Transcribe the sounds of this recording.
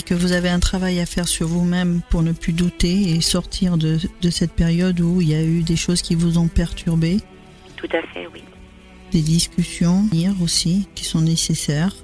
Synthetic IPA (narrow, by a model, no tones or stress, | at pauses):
ekəvuzaveɛ̃t̪χavajafɛʁsyʁvumɛmpuʁnəplyd̪ut̪eːsɔʁt̪ʰiʁd̪əd̪əsɛt̪̚peʁjɔd̪uiljayd̪eʃozkʲivuzɔ̃pɛʁt̪ʰyʁbe | t̪ut̪afɛ̰wi | d̪ed̪iskʲysjɔ̃ɛʁosikʲi̥sɔ̃nesesɛːʁ